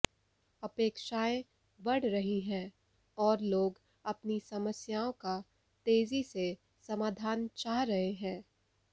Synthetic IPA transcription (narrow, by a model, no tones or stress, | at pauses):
ɐpeːkʃaːẽ | bɐɽ̤ɾɐɦiɦɛ̃ː | ɔːɾloːɡ | ɐpnisɐməsjaːõka | t̪eːzise | sɐmaːd̪ʱaːnt͡ʃaːɦɾɐɦeɦɛ̃ː